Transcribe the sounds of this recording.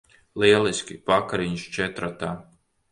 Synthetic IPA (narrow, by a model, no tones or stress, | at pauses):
liɛlˠiskʲḭpakaɾiɲʃt͡ʃɛt̪ɾat̪aː